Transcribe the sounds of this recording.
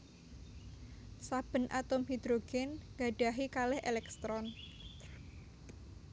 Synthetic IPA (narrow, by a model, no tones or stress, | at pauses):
sab̥ə̤nʔa̰t̪ʊmhid̪ɾoɡ̥ɛnŋɡaɖ̥a̤ɦikalɛhʔḛlɛkst̪ɾɔn